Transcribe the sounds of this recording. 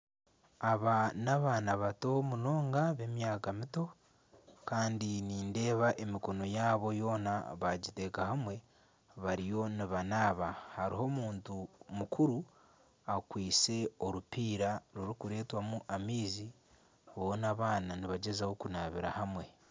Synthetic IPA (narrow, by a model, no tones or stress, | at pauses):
aβanaβaːnaβato̞muno̞ːŋɡaβe̞mjaːkamito̞ | kaːndiniːnde̞ːβaʔe̞miko̞no̞jaːβo̞jo̞ːna̰βaɟite̞ːkaɦamwe̞ | βaɾijo̞niβanaːβahaɾiho̞muːntumukʰuɾu | akwiːse̞o̞ɾupiːɾaɾuɾikuɾe̞ːtwamuʔamiːzi | βonaβaːnaniβaɟe̞zawo̞kunaβḭɾa̰hamwe̞